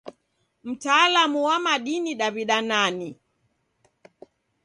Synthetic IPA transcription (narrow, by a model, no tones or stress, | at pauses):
m̩taːlamuwamaɗiniɗaβiɗanani